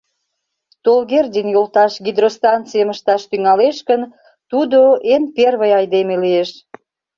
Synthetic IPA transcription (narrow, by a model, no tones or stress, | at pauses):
t̪olɣerdʲinjolt̪ɑʃɣʲid̪rost̪ɑnt̪t͡sijəməʃt̪ɑʃt̪yŋɑleʃkən | t̪ud̪oʔenperβəjɑjd̪emelieʃ